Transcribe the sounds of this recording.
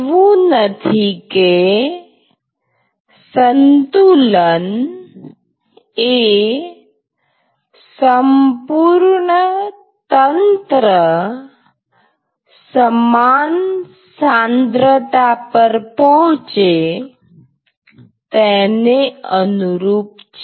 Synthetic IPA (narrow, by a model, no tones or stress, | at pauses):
ʋunət̪ʰike | sənt̪ulən | e | səmpuɾɳə | t̪ənt̪ɾə | səman | sand̪ɾət̪apəɾpɔɦʊ̃t͡ʃe | t̪ɛneənuɾuːpt͡ʃ